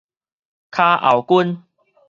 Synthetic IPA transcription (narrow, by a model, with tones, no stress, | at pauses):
kʰa˧ʔa̰˨˩wku˦n